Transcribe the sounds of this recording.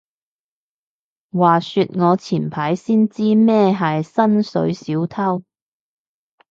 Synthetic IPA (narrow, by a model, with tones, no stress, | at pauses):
waː˨˩sy˧t̚ŋɔː˨˧t͡sʰiː˨˩npʰaː˨˥jsiː˥nt͡siː˥mɛː˥ɦɐ˨jsɐ˥nsɵ̰˨˥ɥsiː˨˥wt̪ʰɐ˥w